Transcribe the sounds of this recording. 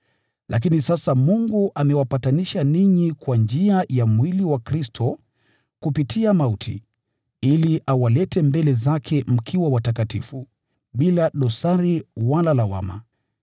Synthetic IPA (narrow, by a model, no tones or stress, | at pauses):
lʔa̰k̬inisasamuŋɡuʔamɛwapataniʃaniɲikwand͡ʒiajamwiliwakɾistʰɔ | kupitʰiamautʰḭ | iliʔawalɛtɛmbɛlɛzakʰɛm̩kʰiwawatakatifu | ɓilaɗɔsaɾiwalalawa̰ma̰